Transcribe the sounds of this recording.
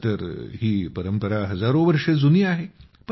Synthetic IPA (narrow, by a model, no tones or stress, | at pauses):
t̪əɾɦiːpəɾəmpəɾaɦəd͡zaɾoʋəɾʂed͡zunijaɦe | p